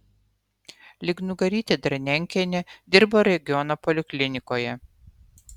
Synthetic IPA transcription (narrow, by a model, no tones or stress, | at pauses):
lʲɪɡnʊɡɐɾʲiːt̪ʲeːd̪ɾɐnʲɛŋʲkʲɛnʲed̪ʲɪɾboɾʲɛɡʲɪɔnopɔlʲɪkʲlʲɪnʲɪkoːjɛ